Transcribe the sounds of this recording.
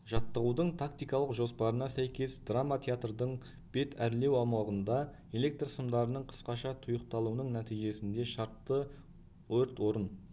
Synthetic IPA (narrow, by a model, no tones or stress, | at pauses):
ʒ̥ɑt̪ːəʁud̪əɴt̪ʰakt̪ijkɑlˠəqʒo̞spɑɾənɑsæjkʲe̞sd̪̥ramat̪ʰʲeat̪rd̪əɴ | b̥e̞t̪ʰæɾle̞wɑmɑʁənd̪ɑ | e̞le̞k̚t̪rsəmd̪ɑɾənəɴqʰə̥sqɑʃɑt̪ʰʊjəqt̪ɑlˠuənəɴnæt̪ijʒe̞sɪnd̪e̞ʃɑɾt̪ːə | wɵɾt̪wo̞ɾən